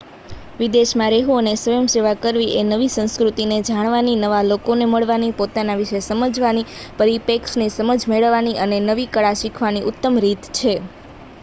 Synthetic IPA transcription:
ʋid̪eʃmãɾeɦũənesʋəjəmseʋakəɾʋiʔenəʋisə̃ñskɾut̪ined͡ʒaɽ̃ʋaninəʋalokoneməɭʋanipot̪anaʋiʃesəməd͡ʒʋanipəɾipeksnesəməd͡ʒmeɭəʋːaniʔənenəʋikəɭaʃikʰʋaniʔʊt̪ːəmɾit̪t͡ʃʰe

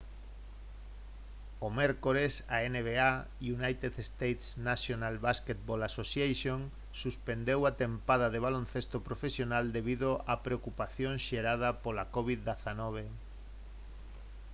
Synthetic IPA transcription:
omɛɾkoɾesaeneβea | junajt̪eðest̪ejt̪snasjonalβasket̪̚bolasosjajʃjon | suspend̪ewat̪empað̞aðeβ̞alonθest̪opɾofesjonald̪eβiðoʔapɾeokupaθjõŋʃeɾað̞apolakoβ̞iðd̪eθanɔβ̞e

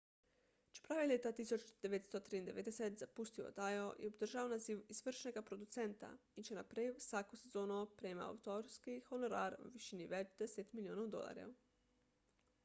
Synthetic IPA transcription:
t͡ʃpɾaʋelʲet̪at̪isut͡ʃd̪̥eʋet̪st̪ot̪ɾiːnd̪eʋed̪eset̪zapust̪io̰t̪ajoʔḭobd̪r̩ʒaonaziʋizʋr̩ʃneɡapɾod̪ut̪sent̪a̰ | it͡ʃenapɾesakosezoːnopɾema̰a̰wut̪oɾskixonoɾaɾṵʋiʃiniʋet͡ʃd̪eset̪milioːnowd̪o̰lˠa̰ɾḛ

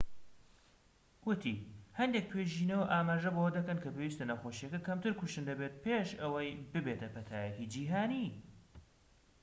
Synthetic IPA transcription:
wʊt̪ʰihɐnd̪ek̚pʰeʒiːnɐwɐʔaːmaːʒɐbowɐd̪ɐkɐnkʰɐpeːwist̪ɐnɐxoʃijɐkɐkʰɐmt̪ʰɨɾkuʃt̪ɨnd̪ɐbet̪̚pʰeʃɐwɐjbɨbeːt̪ʰɐpʰɐt̪ʰaːjɛkid͡ʒiːɦaːni

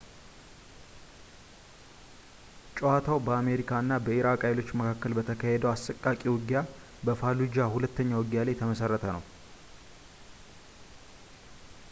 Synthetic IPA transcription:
t͡ʃʼowat̪ʰawbəame̞ɾikʰaɨnːabəiɾakʼajlo̞t͡ʃːməkʰakːəlbət̪ʰəkʰahɛd̪əwasːəkʼːakʼiwɨɡja | bəfalud͡ʒahulət̪ːəɲːawɨɡjalajt̪ʰəməsərːət̪ʰənə̰w

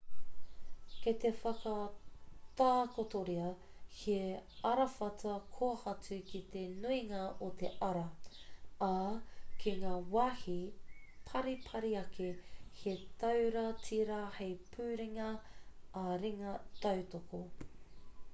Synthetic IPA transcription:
ket̪efɐkɐ | t̪aːkot̪oɾiɐ | heɐɾɐfɐtɐkʰoɐhɐt͡sʉkit̪enuiŋɐʔot̪eʔɐɾɐ | akʰiŋaːwaːhipʰɐɾipʰɐɾiɐkʰehet̪ɐwɾɐtʰiɾahejpʰʉːɾiŋɐɐɾiŋɐt̪ɐwtoko

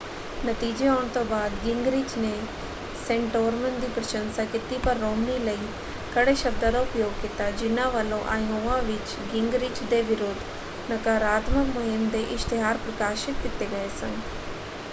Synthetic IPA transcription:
nət̪iːd͡ʒeɔːɳ̃t̪õbaːd̪ɡɪ̃ŋɡɾiːt͡ʃne | sɛ̃ɳʈoːɾmə̃ɳʈd̪iːpɾəʃənsaːkɪt̪ipɐɾːoːmniːləiː | kəɽeʃɐb̚d̪aːd̪aʊpjoːɡ̚kɪt̪aːd͡ʒɪnãːʋəlõʔaːjõʋãʋɪt͡ʃ | ɡɪŋɡɾiːt͡ʃd̪eːʋɪɾoːd̪ʱ | nɐkaːɾaːt̪məkmʊɦɪmd̪eːʔɪʃt̪ɪɦaːɾpɾɐkaːʃɪt̪kɪt̪eɡəeːsə̃ŋɡ

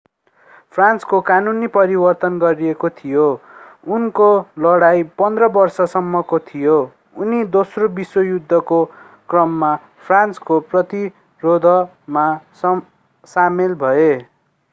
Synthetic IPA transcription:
pʰranskokanunipʌɾibʌrt̪ʌnɡʌɾiekot̪ʰijo | unkolʌɽajpʌnd̪rʌbʌrsʌsʌmːʌkot̪ʰijo | unid̪osrobiswʌjud̪ʱːʌko | krʌmːa | pʰranskoprʌt̪i | rod̪ʱʌ | mas | samelbʱʌe

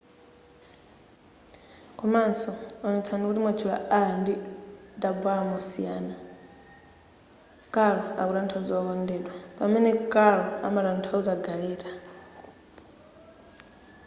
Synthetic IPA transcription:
kʰʼɔmansɔɔnɔt͡sʰandikutimat͡ʃʰila̰andid̪abwamɔsijaːna | kʼaɺɔa̰kuɾantʰaud͡zɔkɔndɛːɗwapamɛnɛkʼaɺɔa̰maɾantʰaud͡zaɡaɛːɾa

